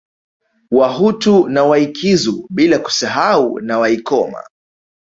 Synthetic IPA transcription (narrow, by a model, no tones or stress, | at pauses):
waɦutunawaikʰizuɓilaku̥saɦaṵnawaikɔma̰